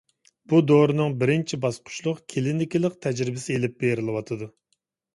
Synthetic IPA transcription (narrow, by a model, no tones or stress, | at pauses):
b̥ud̪oɾɨnɨŋbɪɾɪnt͡ʃʰibɑsqʰʊ̥ʃlˠʊqkʲʰelɪnɪkʲilˠɪqt̪ʰɛd͡ʒɾɪbɪsɪelɪp̚beɾɪlˠɨwɑt̪ʰɨd̪u